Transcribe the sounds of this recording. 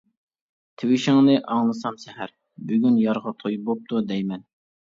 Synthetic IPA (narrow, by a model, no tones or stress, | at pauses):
t̪ʰɪwɪʃɪŋnɨʔɑŋlˠɨsɑmsɛɦæɾ | byɡʲynjɑɾʁɑt̪ʰojbop̚t̪ʰud̪ɛjmɛn